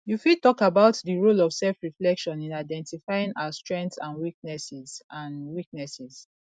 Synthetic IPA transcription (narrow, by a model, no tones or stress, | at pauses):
jufid̚tɔkabaʊtdəɹolɔv̥sɛlfɹiflɛkʃɔ̃nĩnaɪdɛ̃ntifaɪĩŋaastɹɛ̃ŋktsãnwik̚nɛsizãnwik̚nɛsiz̥